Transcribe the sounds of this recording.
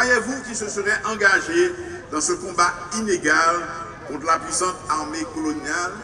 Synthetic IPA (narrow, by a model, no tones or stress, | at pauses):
ajevukisəsəʁɛʔɑ̃ɡaʒe | d̪ɑ̃səkɔ̃ba | ineɡal | kɔ̃t̪χlapɥisɑ̃t̪aʁmekɔlɔnjal